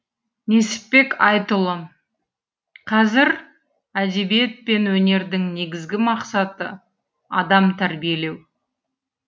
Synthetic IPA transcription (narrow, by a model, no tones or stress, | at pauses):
ne̞sɪ̥p̪̚pːe̞kɑjt̪əlˠə | qʰɑzɪɾ | æd̪e̞bije̞t̪̚pe̞nwɵne̞ɾd̪ɪŋne̞ɡʲɪzɡʲɪmɑqsɑt̪ə̰ | ɑd̪ɑmt̪ʰæɾbije̞le̞w